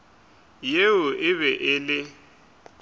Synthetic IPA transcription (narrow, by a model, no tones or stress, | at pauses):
jeʊʔɪβɛʔɪlɪ